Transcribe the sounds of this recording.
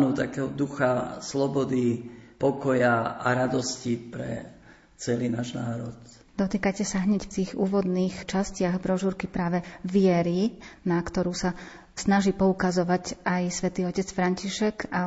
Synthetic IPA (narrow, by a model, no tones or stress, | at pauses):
nuːt̪akɛːɦɔd̪uxaslɔbɔd̪ipɔkɔjaa̰ɾad̪ɔscipɾɛ̰ | t͡sɛlinaːʒnaːɾɔt̪ | d̪ɔt̪iːkacɛsaɦɲɛcft̪iːxuːʋɔd̪niːxt͡ʃascɪaɣbɾɔʒuɾkipɾaːʋɛʋɪɛɾinakt̪ɔɾuːsa | snaʒiːpɔukazɔʋacajsʋɛt̪iːɔcɛt͡sfɾaɲciʃɛka